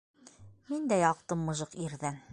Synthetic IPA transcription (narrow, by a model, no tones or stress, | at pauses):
mind̪æjɒq̚t̪ɤmːɤ̆ʒɤqiɾðæn